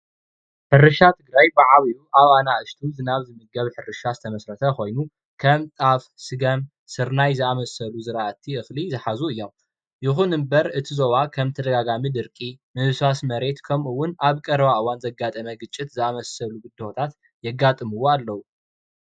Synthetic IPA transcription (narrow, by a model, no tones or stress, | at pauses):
ħɨrɨʃat̪ʰɨɡɾajbɨʕaβijuʔaβanaʔɨʃt̪ʰuzɨnaβzɨmɨɡɐβħɨrɨʃazɨt̪ʰɐmɐsɾɐt̪ʰɐkʰo̞jnu | kʰɐmt̪ʼafsɨɡɐm | sɨɾnajzɨamɐsɐluzɨɾaɐt̪ʰːiɨxlizɨħazuɨjːo̞m | jɪxunɨmbɐɾɨt̪ʰizoβakʰɐmt̪ʰɐd̪ɐɡaɡamid̪ɨɾkʼimɨβsasmɐɾe̞t̪kʰɐmuwːʊnʔaβkʼɐɾβaʔɨwanzɐɡat̪ʼɐmɐɡɨt͡ʃʼːɪt̪zɨamɐsɐluɡɨd̪owt̪ʰat̪ | jɛɡːat̪ʼɨmɨwoalːɐwu